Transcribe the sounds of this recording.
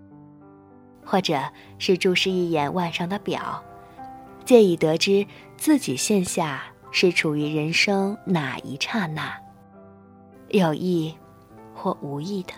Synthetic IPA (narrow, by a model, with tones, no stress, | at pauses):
xwɔ˥˩ʈ͡ʂɤ˨˩ | ʂɻ̩˥˧ʈ͡ʂo˥˧ʊʂɻ̩˥˧i˥˩jɛ˨˩nwa˥˧nʂɑ˥˩ŋd̪ə˨pjɑ̰˨˩˦ʊ | t͡ɕjɛ˥˩i˨˩t̪ɤ˧˥ʈ͡ʂɻ̩˥ | t͡sɹ̩˥˩t͡ɕi˨˩ɕjɛ˥˧nɕja˥˧ | ʂɻ̩˥˩ʈ͡ʂʰu˨˩y˧˥ɻə˧˥nʂɤ˥ŋna˨˩ḭ˧˥ʈ͡ʂʰa˥˧na˥˩ | jo˥˩ʊʔi˥˧ | xwɔ˥˩ʔu˧˥i˥˩d̪ə˩